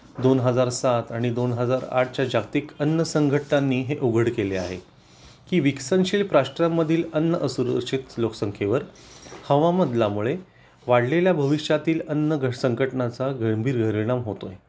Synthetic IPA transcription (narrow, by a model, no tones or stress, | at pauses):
d̪onɦəd͡zaɾsat̪aɽ̃id̪onɦəd͡zaɾa̰ʈ̚ʰt͡ɕjad͡ʑaɡt̪iːkənːəsəŋɡʱəʈnanːiːɦeʔoɡʱəɽkelea̰ɦḛ | kiːʋiksənɕiːlpɾaɕʈɾamːəd̪ʱiːlənːəʔəsuɾəɾɕit̪loksəŋkʰeʋəɾ | həʋaməd̪lamuɭe | ʋaɽleljabʱəʋiɕjat̪iːlənːəɡʱəsəŋɡəʈnat͡saɡəmbʱiːɾɡʱəɾiɽ̃amɦot̪oje